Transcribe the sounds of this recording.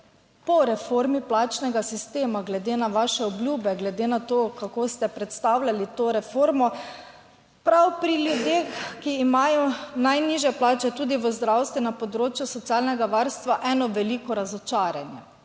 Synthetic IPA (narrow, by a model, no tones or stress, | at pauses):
pɔɾɛfoɾmiplaːt͡ʃnɛɡasist̪eːmaɡlɛd̪eːnaʋaːʃɛɔbljuːbɛɡlɛd̪eːnat̪oːkakoːst̪ɛpɾɛt̪st̪awlʲjalit̪oːɾɛfoːɾmɔ | pɾawpɾiljud̪jexkiːmaːjɔnajniʒjɛplaːt͡ʃɛt̪uːd̪iʋəzd̪ɾawst̪ʋinapɔd̪ɾoːt͡ʃjusɔt̪siaːlnɛɡaʋaɾst̪ʋaʔɛːnɔʋɛliːkɔɾazɔt͡ʃaːɾjanjɛ